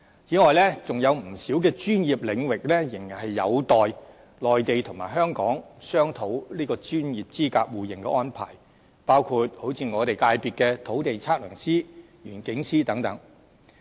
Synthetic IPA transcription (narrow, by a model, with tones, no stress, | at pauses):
jiː˨˥ŋɔː˨jlɛ˥t͡sʊ˨ŋjɐ˨˧wm̩˨˩siː˨˥wkɛː˧t͡ʃyː˥njiː˨p̚lɪ˨˧ŋwɪ˨k̚lɛː˥jɪ˨˩ŋji˨˩nhɐ˨jːɐ˨˧wt̪ɔː˨j | lɔː˨jt̪e˨jt̪ʰʊ˨˩ŋmaː˨˩jɦœː˥ŋkɔː˨˥ŋsœː˥ŋt̪ʰo˨˥wliː˥kɔː˧t͡ʃyː˥njiː˨p̚t͡siː˥kaː˧k̚wuː˨jɪ˨˩ŋkɛ̰˧ʔɔː˥npʰa̰ː˨˩j | paː˥wkʰuː˧t̚ho˨˥wt͡sʰiː˧ŋɔː˨˧t̪e˨jkaː˧jpiː˨t̚kɛː˧t̪ʰo˨˥wt̪e˨jt͡sʰaː˥k̚lœː˨˩ŋsiː˥ | jyː˨˩nkɪ˨˥ŋsiː˥t̪ɐ˨˥ŋt̪ɐ˨˥ŋ